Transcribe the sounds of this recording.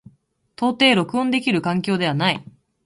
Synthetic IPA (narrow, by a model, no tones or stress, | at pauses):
t̪o̞ːt̪e̞ːɾo̞kɯ̟õnd̪e̞kʲiɾɯ̟kãŋkʲo̞ːd̪e̞anai